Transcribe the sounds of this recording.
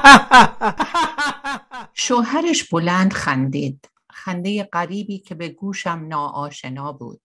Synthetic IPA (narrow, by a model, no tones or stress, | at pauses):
ʃoɦæɾeʃb̥olænd̪xænd̪iːd̪̥ | xænd̪ejeɢæɾiːbiːcʰe̞beɡuːʃæmnɒːʔɒːʃenɒːbṵːd̪̥